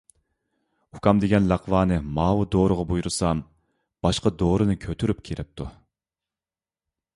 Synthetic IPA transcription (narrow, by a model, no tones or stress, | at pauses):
ukʰɑmd̪eɡʲɛnlɑqʰvɑːnɨmɑːwɨd̪oːɾʊʁɑbujuɾusɑm | b̥ɑʃqɑd̪oːɾɨnɨkʲʰøt̪ʰyɾyp̚kʲʰeɾɪp̚t̪ʰu